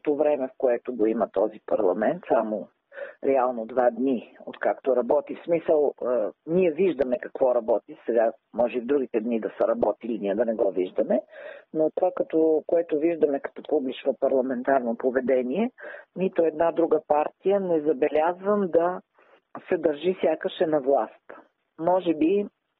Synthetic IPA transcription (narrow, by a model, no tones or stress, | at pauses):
t̪ovɾɛmɛfkoɛt̪oɡoimɐt̪ɔzipɐ̰ɾlˠɐmɛnt̪samo | ɾɛalˠnod̪vad̪nio̰t̪kakt̪oɾɐbɔt̪ifsmisəlˠniɛviʒd̪ɐmɛkɐ̥kvɔɾɐbɔt̪isɛɡamɔʒɛivd̪ɾuɡ̟it̪ɛd̪nid̪ɐsəɾɐbɔt̪iliniɛd̪ɐnɛɡɔviʒd̪ɐmɛnot̪ovakɐt̪ɔkoɛt̪oviʒd̪ɐmɛkɐ̥t̪ɔpublit͡ʃnopɐɾlˠɐmɛnt̪aɾnopovɛd̪ɛniɛnit̪oɛd̪nad̪ɾuɡəpaɾt̪ijənɛzɐbɛlʲazvəmd̪ɐ | sɛd̪ɐɾʒisʲjakəʃɛnɐvlˠast̪ | mɔʒɛbi